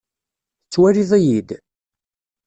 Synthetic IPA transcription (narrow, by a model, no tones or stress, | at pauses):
t͡sːwæɾiðˤæjid̪